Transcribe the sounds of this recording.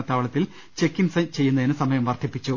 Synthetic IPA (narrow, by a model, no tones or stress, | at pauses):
ɐt̪aːʋɐɭɐt̪ːil | t͡ɕe̞kːinsɐt͡ɕe̞jːunːɐðinɨsɐmɐjɐmʋɐrt̪ʰːipːit͡ɕːu